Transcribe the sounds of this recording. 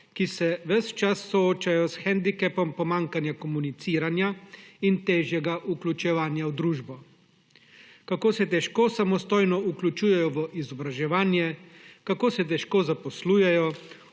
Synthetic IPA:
kisɛʋəst͡ʃasːɔoːt͡ʃajɔsxɛnd̪ikɛpɔmpɔmaːŋkanjakɔmunit̪siːɾanjaint̪eːʒjɛɡaʔuklʲut͡ʃɛʋaːnjawd̪ɾuːʒbɔ | kakoːsɛt̪ɛʃkoːsamɔst̪oːjnɔuklʲut͡ʃuːjɛjɔʋəʔizɔbɾaʒɛʋaːnjɛkakoːsɛt̪̬ɛʃkoːzapɔsluːjɛjɔ

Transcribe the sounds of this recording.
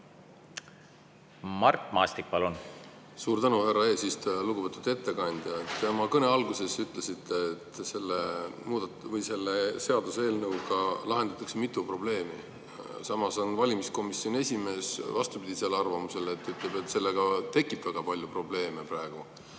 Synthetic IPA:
mɑrt̪ːˑmɑ̰ːst̪ik̚pɑlun | suːɾt̪ænuherːɑeːsist̪luɡ̥uvet̪ːud̪e̞t̪ːe̞kɑnʲd̪̥jɑet̪ːeomɑkɤne̞ɑlɡuse̞syt̪ˑle̞sit̪ːe̞ːt̪se̞lːemuːd̪̥ɑ | vɤjse̞lːese̞ɑd̪usee̞ːlnɤwɡɑlɑɦe̞nd̪̥ɑt̪ːˑɑksemit̪ːˑupro̞b̥le̞ːmi | sɑmɑso̞nvɑlʲimisko̞misːjo̞nʲe̞sʲime̞ːsvɑst̪upid̪̥ʲiselːeɑrvɑmuse̞let̪ːˑyt̪ˑle̞be̞t̪ːˑse̞lːeɡ̥ɑt̪e̞kːˑibvæɡ̥ɑpɑlʲjupro̞b̥le̞ːmeprɑeɡ̥u

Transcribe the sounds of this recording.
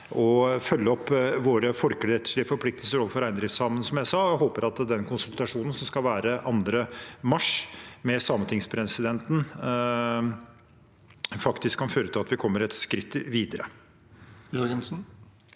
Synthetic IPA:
ɔfœlːəɔpːʋoːɾəfɔɾkəɽɛt̪ːə̥ʂɭɪəfɔɾpʰlɪk̚t̪əlsəɾɔːfɔɾæɪnd̪ɾɪft̪sɑːmənsɔmjæɪsɑːɦoːpəɾɑt̪d̪ɛnkʰʊnsʉlt̪ɑʂuːnn̩sɔmskɑʋæːɾəʔɑnd̪ɾəmɑʂmɛsɑːmət̪ʰɪŋspʰɾɛsɪd̪ɛnt̪n̩ | fɑkt̪ɪskʰːɑnføːɾət̪ʰɪlɑt̪ʋɪkʰɔmːəɾɛt̪skɾɪt̪ːʋiːd̪əɾə̰ | jɔɡənsn̩

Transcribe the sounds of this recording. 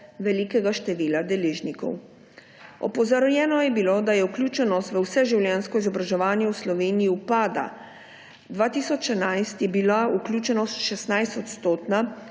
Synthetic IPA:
ʋɛlikɛɡaʃt̪ɛʋiːlad̪ɛleːʒnikɔ̰w | ɔ̰pɔzaɾjɛːnɔjɛbiloːd̪ajɛuklʲjuːt͡ʃɛnɔst̪ʋəwsɛʒiwlʲjɛːnskɔizɔbɾaʒɛʋaːnjɛwslɔʋeːnijiupaːd̪a̰ | d̪ʋaːt̪isɔt͡ʃɛnajst̪jɛbilauklʲjuːt͡ʃɛnɔst̪ʃɛsnajst̪ɔt̪st̪oːt̪na

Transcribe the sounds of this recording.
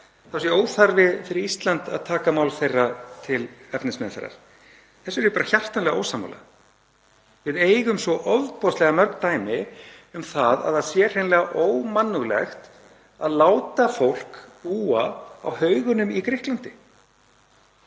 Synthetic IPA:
θasjɛoːwθaɾvɪfɪɾɪɾist̪lant̪a̰ðt̪ʰaːkamaːwlθejrat̪ʰɪlɛfpnɪnsmɛðθɛ̰rːa̰ɾ̥ | θɛsːʏɾjʏpaːɾaçar̥t̪anlɛɣao̰ːwsama̰wla̰ | vɪðeːjɣʏmsvɔʔɔvðpɔst̪lɛɣamœɾkt̪aːjmɪʏmθaða̰ðaðsjɛr̥hejnlɛɣaʔoːwmanːʏɣlɛ̰xt̪ | aðlaːwt̪afowl̥kpuːaa̰whœɥɣʏnʏmikɾɪhklant̪ɪ

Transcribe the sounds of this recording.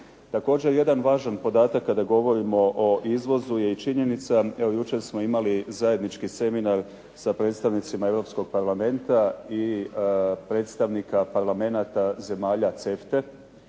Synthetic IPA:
t̪ako̞ːd͡ʑe̞ɾje̞d̪anʋaːʒanpo̞d̪aːt̪akːad̪aɡo̞ʋo̞ɾimo̞ʔoʔizʋo̞zuje̞it͡ʃiɲe̞nit̪saeʋojut͡ʃe̞ɾsmo̞imalizaje̞d̪nit͡ʃkise̞minaɾ | sapɾe̞t̪st̪aʋnit̪simae̞vɾo̞psko̞ɡ̥̚paɾlame̞nt̪ai | pɾe̞t̪st̪aʋnikapaɾlame̞nat̪aze̞maːʎat̪se̞ft̪e̞

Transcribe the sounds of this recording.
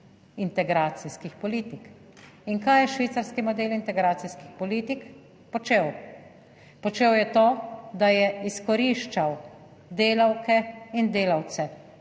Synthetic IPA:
int̪ɛɡɾaːt̪siskixpɔliːt̪ik | iŋkajɛʃʋiːt̪saɾskimɔd̪eːlint̪ɛɡɾaːt̪siskixpɔliːt̪ik | pɔt͡ʃew | pɔt͡ʃeːwjɛt̪oːd̪ajɛiskɔɾiʃt͡ʃaw | d̪eːlɐwkɛind̪eːlawt̪sɛ

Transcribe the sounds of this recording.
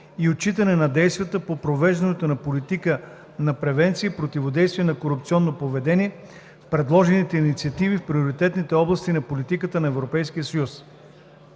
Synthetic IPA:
iot͡ʃit̪ənɛnɐd̪ɛjst̪vʲiət̪əpopɾovɛʒd̪ɐnɛt̪onɐpolit̪ikə | nɐpɾɛvɛnt̪siːpɾot̪ivod̪ɛjst̪viɛnɐkoɾup̚t̪siɔnːopovɛd̪ɛniɛ | fpɾɛd̪lˠɔʒɛnit̪ɛinit̪siɐt̪ivifpɾioɾit̪ɛt̪nit̪ɛɔblˠɐst̪inɐpolit̪ikət̪ənɐɛvɾopɛjskijəsɐjus

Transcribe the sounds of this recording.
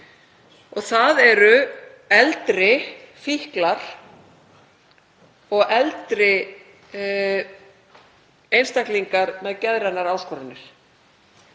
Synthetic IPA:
ɔɣθaðɛɾʏ | ɛlt̪ɾɪfihklaɾ̥ | ɔɣɛlt̪ɾɪ | ejnst̪ajhkliŋkaɾmɛðcɛðɾanːaɾaːwskʰɔɾɪnːɪɾ̥

